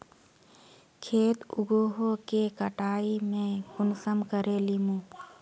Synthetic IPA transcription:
kʰeːt̪ʊ̰ɡoːɦokekəʈaːimẽɡʊnsəmkəɾelimũː

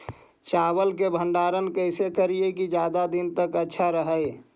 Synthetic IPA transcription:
t͡ʃabəlkebʱəɳɖaːɾənkəɪsekəɾiekid͡ʒjad̪ad̪int̪əkətːʃʰaɾəɦəj

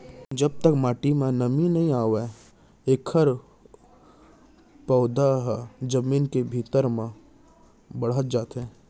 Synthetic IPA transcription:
d͡ʒəb̚t̪əkmaːʈimẽnəminɐɦĩaːʋe | eːkʰːəɾ | pɔːd̪aɦd͡ʒəmiːnkebʱiːt̪əɾmẽ | bəɽ̤ət̪̚d͡ʒaːt̪ɦɛ̃ː

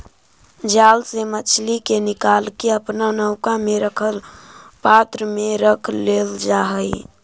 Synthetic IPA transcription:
d͡ʒalsemət͡ʃʰlikenɪkalkeəpnanəʊkameɾəkʰəlpat̪ɾəmeɾəkʰleld͡ʒaɦəj

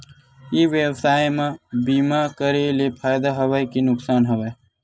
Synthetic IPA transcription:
iʋjewsaːjmãbiːmakəɾelepʰaːjd̪aɦəʋajkinʊksaːnɦəʋəj

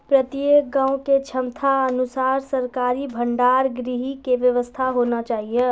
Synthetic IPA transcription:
pɾət̪jek̚ɡãːũket͡ʃʰəmt̪ʰaənusaːɾsəɾkaːɾibʱəɳɖaːɾɡɾiɦikeʋjəʋəst̪ʰaɦonat͡ʃaːɦije

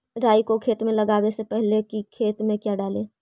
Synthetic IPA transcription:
ɾaːikokʰeːt̪mẽləɡaːwesepɛɦlekikʰeːt̪mẽkjaɖaːleː

